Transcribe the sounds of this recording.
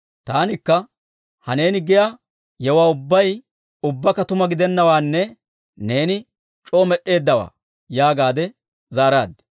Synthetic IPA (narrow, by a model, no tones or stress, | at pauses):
t̪aːnɪkːɐ | hɐne̞ːnɪɡɪja | jɛwaːʊbːɐj | ʊbːɐkːɐt̪ʊmɐɡɪd̪ɛnːɐwaːnːɛ | ne̞ːnɪ | t͡ʃʼo̞ːmɛɗːe̞ːd̪ːɐwa̰ː | jaːɡaːd̪ɛ | zaːɾaːd̪ːɛ̥